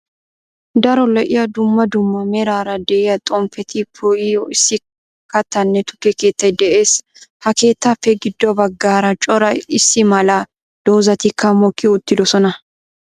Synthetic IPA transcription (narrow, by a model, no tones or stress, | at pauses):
d̪ɐɾɔlɛʔɪjɐd̪ʊmːɐd̪ʊmːɐmɛɾaːɾɐd̪ɛʔɛjɐt̪ʼɔmfɛt̪ʰɪpʰɔɪjɔɪsːɪ | kɐt̪ːɐnːɛt̪ʊ̥kːɛke̞ːt̪ːɐjd̪ɛʔe̞ːs | hɐke̞ːt̪ːafːɛɡɪd̪ːɔbɐɡːaːɾɐt͡ʃʼɔɾɐjɪsːɪmɐla | d̪̥oːzɐt̪ɪkːɐmɔkːɪʊt̪ːɪd̪ɔsɔnɐ